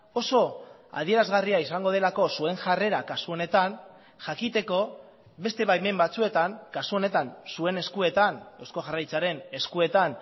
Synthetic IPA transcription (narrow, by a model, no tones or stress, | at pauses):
o̞so̞a̰ð̞ie̞ɾazɣariaisaŋɡo̞ð̞e̞lako̞sue̞ŋʝare̞ɾakasuo̞ne̞t̪an | ʝakit̪e̞ko̞ | βe̞st̪eβajme̞mbat͡sue̞t̪aŋkasuo̞ne̞t̪ansue̞ne̞skue̞t̪ane̞wsko̞ʝarajt͡saɾe̞ne̞skue̞t̪an